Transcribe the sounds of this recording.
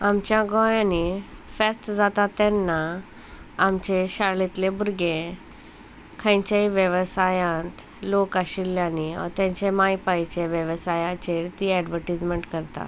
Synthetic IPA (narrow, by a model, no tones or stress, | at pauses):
amt͡ɕjãɡɔ̃janifɛsʈd͡zat̪at̪ːɛnːaː | mt͡ɕeɕaɽlit̪lebuɾɡẽ | kʰãjɲt͡ɕaiʋjəʋsajãnt̪ | lokaɕilːjaniɔ̰ɾt̪jãɲt͡ɕemajpajt͡ɕeʋjəʋəsajat͡ɕeɾt̪iɛɖʋəɾʈid͡zməɳʈkəɾt̪a̰